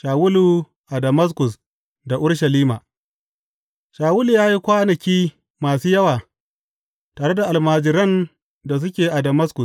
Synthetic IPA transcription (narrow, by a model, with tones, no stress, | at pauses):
ʃaː˨wʊ˦lu˨ | ʔa˨dɐ˨mɐ˦s̬kʊ˨s | da˨ʔʊ˦ɽʃɐ˨liː˦ma˨ | ʃaː˨wʊ˦lu˨jaː˦ji˦kʷaː˦nɐ˨kʲiː˦ | maː˨suː˦jɐ˦waː˨ | taː˨ɽe˦da˨ʔa˨lmaː˨d͡ʒɪ˨ɾɐ˦˨n | da˨s̬ʊ˦kʲeː˨ʔa˨dɐ˨mɐ˦skʊ˨